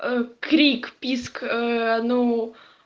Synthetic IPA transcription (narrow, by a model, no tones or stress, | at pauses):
əkɾʲikpʲiskɐno